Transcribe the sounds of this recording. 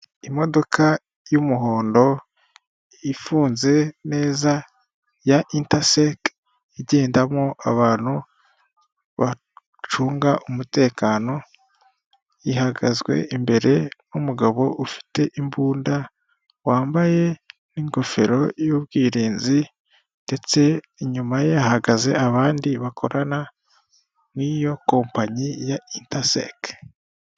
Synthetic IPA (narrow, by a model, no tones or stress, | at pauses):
imo̞do̞kʰa | jumuɦo̞ːndo̞ | ifuːnze̞ne̞ːza | jaʔintasek | iɟeːndamŋoʔaβaːn̥hu | βa | t͡ʃuːŋɡaʔumute̞ːkaːno̞ | jihaɡazɡwe̞̰ʔimbe̞ɾe̞numuɡaβo̞ʔufi̥te̞ʔimbuːnda | waːmbaje̞niŋɡo̞fe̞ɾo̞juβɡiːɾiːnzi | nde̞t͡se̞ | ɲumaje̞ahaɡaze̞̰aβaːndiβakʰo̞ɾʔana | nijo̞ko̞ːmpaɲijaintasḛk